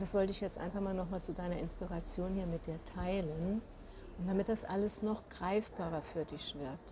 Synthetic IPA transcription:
d̥asv̥ɔltəɪçjɛt͡stʔa̰ɪnfaχmaːlnɔχmaːlt͡sudaɪnɐɪnspiːʁat͡sjoːnhiːɐmɪt̚d̥iːɐtʰaɪlən | d̥amɪt̚d̥asʔaləsnɔχɡ̥ʁaɪfb̥aːʁɐfyːɐdɪçv̥ɪɐt

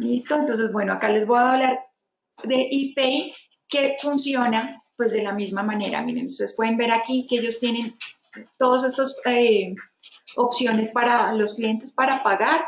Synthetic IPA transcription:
list̪o̞ent̪o̞ns̬e̞zbwe̞no̞akale̞zbo̞jaβlaɾ | d̪e̞ʔipei | ke̞funsjo̞napwe̞zd̪e̞lamizmamãne̞ɾa̰mjenenust̪eespwe̞ðembe̞ɾakikeeʝo̞st̪je̞ne̞n | t̪o̞ðos̬e̞st̪ose | opsjo̞ne̞spaɾalo̞sklije̞nt̪e̞spaɾapaɣaɾ

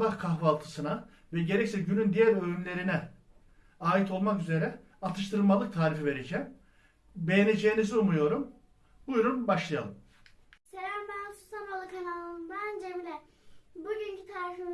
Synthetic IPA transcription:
bahkʰaxvalˠt̪ʰɯ̥sɯna | vɛɟe̞ɾɛcsɛɟynynd̪ijæɾølymlʲe̞ɾinɛ | aːit̪ʰo̞lˠmakyze̞ɾɛ | at̪ʰɯʃt̪ʰɯɾɯlˠmalˠɯk̚t̪ʰaːɾifive̞ɾe̞d͡ʒɛːm | be̞jene̞d͡ʒejːiniziumujo̞ɾum | bujɾunbaʃlˠaja̰lˠɯm | seɾæɾmænsu̥t̪ʰamɾalˠɯkʰanalˠɯnbænd͡ʒɛmd̪ɛ | buɟyɲcʰyt̪ʰaːɾifi

